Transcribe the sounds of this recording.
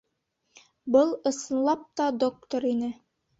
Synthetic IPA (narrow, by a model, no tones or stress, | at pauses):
bɤlˠɤ̆sɤ̆nlˠɑp̚t̪ɑd̪ok̚t̪oɾinɘ